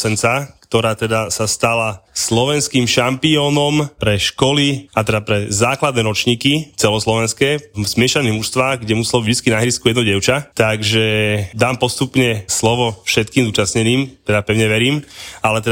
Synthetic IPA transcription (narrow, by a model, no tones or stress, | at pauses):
sɛnt͡sakt̪ɔɾaːt̪ɛd̪asast̪alaslɔʋɛnskiːmʃampiɔːnɔmpɾɛʃkɔliat̪ɛd̪apɾɛzaːklad̪nɛːɾɔt͡ʃɲiːkit͡sɛlɔslɔʋɛnskɛːz̥mɪɛʃaniːɦmuʃst̪ʋaːɣɡɟɛmusɛlɔvɟit͡skinaɦɛɾiskujɛd̪nɔɟɛʊt͡ʃat̪aɡʒɛd̪aːmpɔst̪upɲɛslɔʋɔfʃɛt̪kiːmzuːt͡ʃasɲɛniːmt̪ɛd̪apɛʊɲɛʋɛɾiːmalɛt̪ɛ